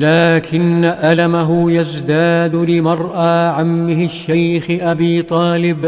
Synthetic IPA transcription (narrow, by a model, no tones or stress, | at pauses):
laːkɪnːaʔalamaɦʊjazd̪aːd̪lɪmɑɾˤʔaʕamːɪɦɪʃːajxɪʔabiːt̪ˤɑːlɪb